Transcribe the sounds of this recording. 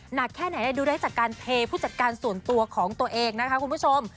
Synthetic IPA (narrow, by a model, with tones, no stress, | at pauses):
na˨˩kʰːɛː˥˩na˩˦jnaː˦˥˩duː˧ɾa˦˥jt͡ɕaː˨˩kːaː˧np̪ʰeː˧pʰuː˥˩t͡ɕa˨˩t̪̚kaː˧nsu˨˩ənt̪u˧ɐkʰɔː˩˦ŋt̪u˧ɐʔeː˧ŋna˦˥kʰa˦˥kʰu˧npʰu˥˩o˧m